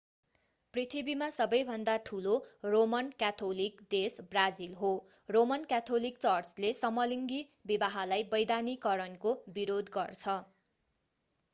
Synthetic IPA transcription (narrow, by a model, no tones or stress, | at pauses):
prit̪ʰibimasʌbʌjbʱʌnd̪aʈʰuloromʌnkat̪ʰolikdesbrad͡zilɦo | romʌnkat̪ʰolik̚t͡sʌrt͡slesʌmʌliŋɡi | bibaɦalajbʌjd̪anikʌɾʌnkobiɾod̪ɡʌrt͡sʰʌ